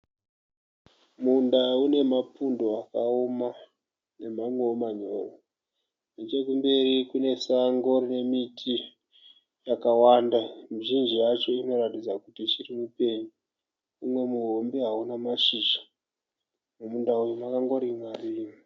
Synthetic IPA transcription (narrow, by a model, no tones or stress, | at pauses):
mundaune̞mapundo̞akao̞ma | ne̞mamweomaɲo̰ːwu | net͡ʃekumbe̞ɾikune̞saŋɡo̞rine̞mitʰi | jakawandamuʒind͡ʒiat͡ʃo̞ino̞ratid͡zakutit͡ʃirimupe̞ɲu | umwe̞muɦombiɦaunamaʃiːʃḁ | mumundaujomakaŋɡo̞ɾimariːm